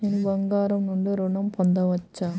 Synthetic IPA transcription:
ɪnʋɐŋɡaːɾɐmnʊɳɖɯɾʊɳɐmpɔnd̪ɐʋɐt͡ʃːaː

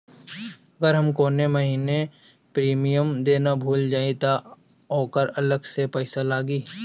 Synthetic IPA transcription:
ɐɡəɾɦɐmkoːnemɐɦiːne | pɾiːmijəmd̪eːnabʱuːld͡ʒaːit̪a | ɔːkəɾɐləɡsepɛɪsalaːɡiː

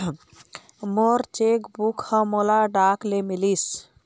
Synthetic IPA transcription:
moɾt͡ʃekbukhə̃molaɖaklemilis

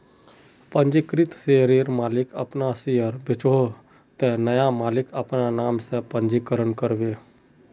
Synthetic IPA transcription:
pə̃nd͡ʒikɾɪt̪seɾiːɾmaːlɪkəpnasɪəɾbʱɪt͡ʃoː | t̪enəjamaːlɪkəpnanaːmsepə̃ɲd͡ʒikəɾənkəɾʋeː

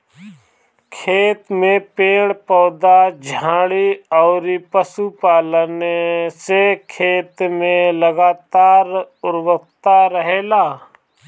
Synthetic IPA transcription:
kʰeːt̪mẽpeːɽpɔːd̪ad͡ʒʱãːɽiɔːɾipəsupaːlnesekʰeːt̪mẽləɡaːt̪aːɾʊɾwək̚t̪aɾəɦeːlaː

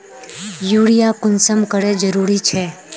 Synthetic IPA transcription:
juɽijakʊnsəmkəɽed͡ʒəɾuɾit͡ʃʰe

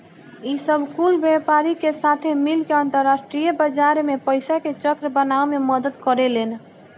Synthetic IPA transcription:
isəbʱkulbepaɾikesat̪ʰemilkeənt̪əɾːasʈɾijəbəd͡ʒaɾmepəɪsaket͡ʃəkɾəbənaomeməd̪əd̪kəɾelen

